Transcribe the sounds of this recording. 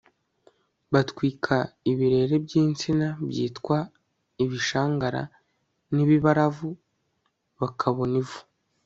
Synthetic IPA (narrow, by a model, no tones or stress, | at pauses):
βatkwiːkʰaiβiɾe̞ɾe̞bɟiːnt͡sinabjḭːtkwa | iβiʃaːŋɡaɾa̰ | niβiβaɾavu | βakʰaβo̞nivu̥